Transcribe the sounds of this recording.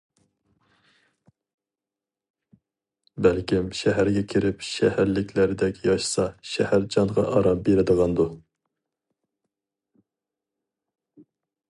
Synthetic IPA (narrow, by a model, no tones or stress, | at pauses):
bælkʲimʃɛɦæɾɡʲɛkʲʰiɾɪpʃɛhæɾlɪkʲlæɾɪd̪ɛkʲjɑʃsɑʃɛhæɾd͡ʒɑŋʁɑʔɑɾɑpbeɾɪd̪əʁɑnd̪u